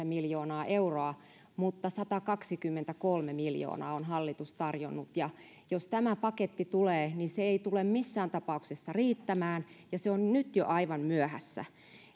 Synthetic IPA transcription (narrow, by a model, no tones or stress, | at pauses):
æmiljoːnɑːʔeuroɑ | mut̪ːɑsɑt̪ɑkɑksikymːent̪ækolmemiljo̰ːnɑ̰ːonɦɑlːit̪ust̪ɑrjonːut̪jɑ | jost̪æmæpɑket̪ːit̪uleːniseeit̪ulemmisːæːnt̪ɑpɑuksesːɑriːt̪ːæmæːnjɑseonnyt̪jo̰ʔɑiʋɑnmyœhæ̰sːæ̰